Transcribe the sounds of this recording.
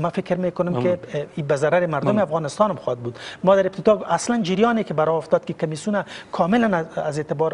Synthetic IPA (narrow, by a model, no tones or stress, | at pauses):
mafɪkɾmeːkʊnʊmkɪibazaɾaɾɪmaɾd̪ʊmɪafɣɑːnɪst̪ɑːnamxɔd̪̚bud̪mɔd̪aɾɪp̚t̪ɪd̪ɔasland͡ʒiɾjɔːnekɪbaɾɔʊft̪ɔd̪̚kɪkamisjunakʰɔːmɪlanazet̪ɪbɔɾ